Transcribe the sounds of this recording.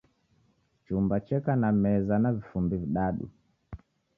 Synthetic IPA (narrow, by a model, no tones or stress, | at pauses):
t͡ʃumbat͡ʃɛkanamɛzanavifumbiviɗaɗṵ